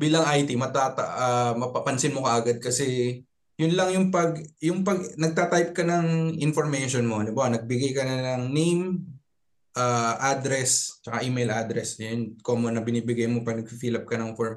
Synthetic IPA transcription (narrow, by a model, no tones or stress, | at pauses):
biːlɐŋʔajt̪imɐt̪at̪ɐɐmɐpɐpɐnsɪnmokɐʔaɡad̪̚kɐsɛ | jʊnlɐŋjʊŋpɐɡjʊŋpɐɡnɐɡ̚t̪aːt̪ajp̚kɐnɐŋʔɪnfoɹmɛjʃonmonɪbanɐɡ̚bɪɡajkɐnɐnɐŋnɛjm | ʔaːʔad̪ɾɛst͡ʃɐkaʔiːmejlʔad̪ɾɛsjɛnkoːmonɐbɪnibɪɡajmopɐɡnɐɡ̚fifiːlɐp̚kɐnɐŋfoɹ